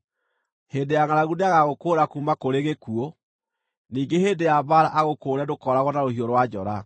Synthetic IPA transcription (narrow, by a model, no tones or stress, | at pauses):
heːndejaŋaɾaɣuneaɣaɣokoːɾakumakoɾeɣekuo | niːɡeheːndejabaɾaʔaɣokoːɾɛdokɔɾaɣɔnaɾohiɔɾwad͡ʑɔɾa